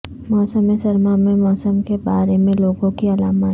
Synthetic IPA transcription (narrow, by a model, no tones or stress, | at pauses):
mɔːsəmesɐɾmamẽmɔːsəmkebaːɾemẽloːɡõkiɐlaːmə